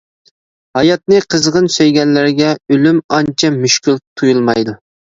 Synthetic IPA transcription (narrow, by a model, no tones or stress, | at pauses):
hɑjɑt̪̚nɨqʰəzʁənsøjɡʲɛnlɪɾɪɡʲɛølymɑnt͡ʃʰɛmyʃkʲylt̪ʰujulˠmɑjd̪u